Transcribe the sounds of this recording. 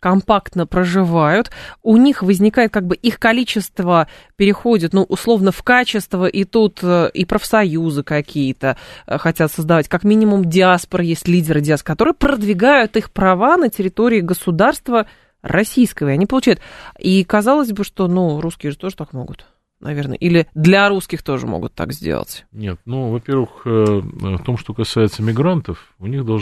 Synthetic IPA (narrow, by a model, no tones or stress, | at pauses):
kɐmpakt̪nəpɾəʐɨvajʊt̪ʊnʲixvəzʲnʲɪkajɪt̪̚kaɡ̚bɨʔixkɐlʲit͡ɕɪst̪və | pʲɪɾʲɪxo̞dʲɪt̪nuʔʊslˠo̞vnəfkat͡ɕɪst̪vəʔɪt̪ut̪əʔipɾəfsɐjuzɨkɐkʲijət̪əxɐtʲat̪səzd̪ɐvatʲkakmʲinʲɪmʊmdʲɪaspəɾəjesʲtʲlʲidʲɪɾɨdʲɪaskɐt̪o̞ɾɨjəpɾəd̪vʲɪɡajʊt̪ixpɾɐvanətʲɪɾʲɪt̪o̞ɾʲɪːɡəsʊd̪arst̪və | rɐsʲijskəvəɪɐnʲipəlˠʊt͡ɕæjʊt̪ikɐzɑlˠəzʲbɨʂt̪o̞nuɾuskʲɪjəʐɨt̪o̞ʐɨt̪akmo̞̰ɡʊt̪ | nʔɐ̰vʲe̞rnə̰ʔilʲɪd̪lʲɐɾuskʲɪxt̪o̞ʐɨ̰mo̰ɡʊ̰t̪ːa̰kzʲdʲḛlˠə̰tʲnʲe̞t̪̚nuvɐpʲervɨxəft̪o̞mʂt̪o̞kɐsajɪt̪səmʲɪɡɾant̪əfʊnʲiɣd̪ɐlˠ